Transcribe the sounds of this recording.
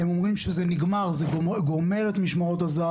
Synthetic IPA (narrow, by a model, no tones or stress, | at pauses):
hemo̞mʁimʃezeniɡmaʁzeoeɡome̞ʁet̪miʃmaot̪aza